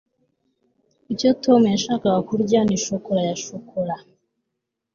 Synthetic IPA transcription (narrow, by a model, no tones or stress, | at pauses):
icotomujaʃakawakuɾɟaniʃokoɾajaʃokʰoɾa